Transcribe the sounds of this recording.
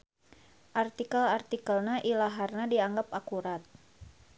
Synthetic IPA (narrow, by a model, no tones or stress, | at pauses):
ʔart̪ikəlart̪ikəlnaʔilaɦarnadiaŋɡapakuɾat̪̚